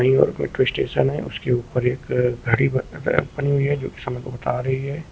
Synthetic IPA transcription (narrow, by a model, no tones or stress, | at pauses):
ɐĩjɔ̰ːɾkmḛʈɾeːsʈeːʃənɦɛ̰̃ʔʊ̰skeuːpəɾeːkɡʱɐɽibɐniɦʊiɦɛd͡ʒo̰ːke̥sɐmɛ̃kobɐt̪aːɾɐɦiɦɛː